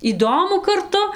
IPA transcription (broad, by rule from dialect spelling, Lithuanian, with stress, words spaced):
iːˈdoːmʊ kɐrˈtʊ